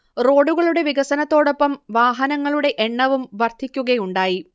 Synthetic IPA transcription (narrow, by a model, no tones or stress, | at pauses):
ro̞ːɽuɣɐɭuɽe̞ʋiɣɐsɐnɐt̪ːo̞ːɽo̞pːɐmʋaːɦɐnɐŋːɐɭuɽe̞ʔeɳːɐʋumʋɐrt̪ʰikʲːuɣɐjuɳɖaːji